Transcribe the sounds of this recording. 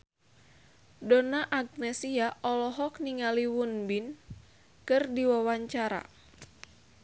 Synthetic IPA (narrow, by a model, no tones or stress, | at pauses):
donaʔaɡ̚nɛsiaʔɔlɔɦɔk̚niŋaliwunbin | kɨrdiwawaɲt͡ʃaɾa̰